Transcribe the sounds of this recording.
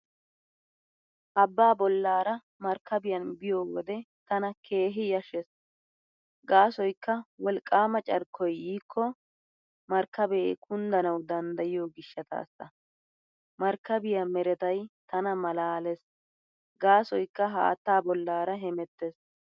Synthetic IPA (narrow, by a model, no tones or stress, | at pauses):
ʔɐbːaːbɔlːaːɾɐ | mɐɾkːɐbɪjɐnbɪjoːwɔd̪ɛt̪ɐnɐkʰe̞ːɦɪjɐʃɛs | ɡaːsɔjkːɐwɔlkʼːaːmɐt͡ʃʼɐɾkʰːɔjiːkʰːɔ | mɐɾkːɐbɛ̰kʰʊnd̪ɐnɐwd̪ɐnd̪ɐjɪjoːɡɪʃːɐt̪a̰ːsːɐ̰ | mɐɾkːɐbɪjɐmɛɾɛt̪ɐjt̪ɐnɐmɐlaːlɛs | ɡaːsɔjkːɐɦa̰ːt̪ːaːbɔlːaːɾɐɦɛmɛt̪ːes